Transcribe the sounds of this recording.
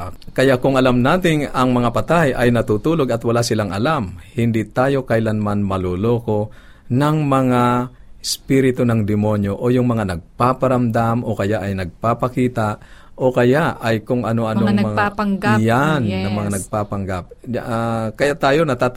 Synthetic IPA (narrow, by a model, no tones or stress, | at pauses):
kɐjaʔkʊŋɐlamnaːt̪ɪnɐŋmɐŋapɐt̪ajʔɐjnɐt̪uːt̪uːloɡɐt̪wɐlasɪlaŋɐlamhɪnd̪it̪aːjo̞kɐjlanmanmɐloloːko̞ | nɐŋmɐŋaɪspiɾɪt̪onɐŋd̪ɪmo̞njo̞ʔojʊŋmɐŋanɐɡ̚papɐɾɐmd̪amo̞kɐjaʔɐjnɐɡ̚papɐkiːt̪aʔo̞kɐjaʔʔɐjkʊŋɐno̞ʔɐnoŋmɐŋaɡjanːɐŋmɐŋanɐɡ̚papɐŋɡap̚ | kɐjaʔt̪aːjo̞nɐt̪a